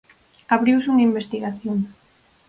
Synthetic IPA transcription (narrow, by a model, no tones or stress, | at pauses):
aβɾiwsuŋaimbest̪iɣaθjoŋ